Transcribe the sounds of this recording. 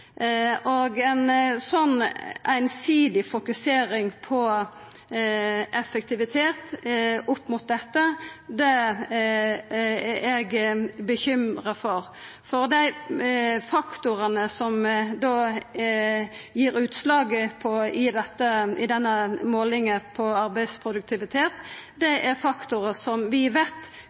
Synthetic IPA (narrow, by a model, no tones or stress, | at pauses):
ʔoɡɛnsɔnːæɪnsiːd̪ɪfʊkʉseːɾɪŋpʰɔ | ʔɛfək̚t̪ɪʋɪt̪ʰeːt̪ʊpːmʊt̪̚d̪ɛt̪ːəd̪ɛ | ɛɡbəçʏmʁəfɔʁ | fɔʁd̪æɪ | fɑkt̪ʊʁənəsɔmd̪oː | jiːɾʉːt̪slɑːɡəpʰɔɪd̪ɛt̪ːəɪd̪ɛnːəmoːlɪŋəpʰɔɑɾbæɪspʰʁʊd̪ʉk̚t̪ʰɪʋɪt̪ʰeːt̪d̪ɛʔæʁfɑkt̪ʊɾəsɔmʋɪʋeːt̪ː